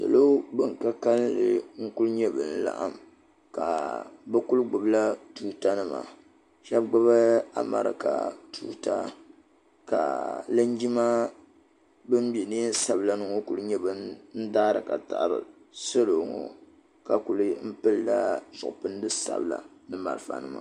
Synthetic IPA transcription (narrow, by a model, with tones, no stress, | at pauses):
sa̰˨lo˦bɨ˦ŋ˨ka˦ka˦lːɨ̰˨ŋ̩˦kʊ˦lɲɛ˦bɨ̰˨n̩˦la̰˨ʔa˦m | ka˨bɨ˦kʊ˦lɡ͡bʊ˨bla˦tuː˦ta˦nɨ˦ma̰˨ | ʃɛ˦bɡ͡ba˦βa˦a̰˦ma̰˨ɾɨ̰˨ka̰˨tuː˦ta̰˦ | ka̰˨la˦n˦d͡ʒi˦ma˦ | bɨ˦m˦bɛ˨neː˦n̩˦sa˨bla˦nɨ˦˨ŋo˦ku˨lɨ˦ɲɛ˦bɨ˦nn̩˦daː˦ɾɨ˨ka˨ta˨ʔbɨ̰˨ | so˦lo˨ŋo̰˨ | ka˨ku˨lɨ˦m̩˦pɨ˦lːa˦zʊ˨ʔpɨ˦n˦dɨ˦sa̰˨bla̰˨nɨ˦ma̰˨ɾɨ˨fa̰˨nɨ˦ma˨